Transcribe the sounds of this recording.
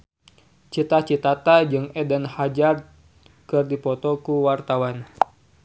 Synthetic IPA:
t͡ʃit̪at͡ʃit̪at̪ad͡ʒɨŋɛdənhad͡ʒar | kɨrdipɔt̪ɔkuwart̪awan

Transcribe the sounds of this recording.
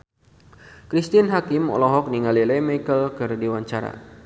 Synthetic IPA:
kɾist̪inɦakɪmɔ̰lɔɦɔk̚niŋalilɛmaikəlkɨrdiwaɲt͡ʃaɾa̰

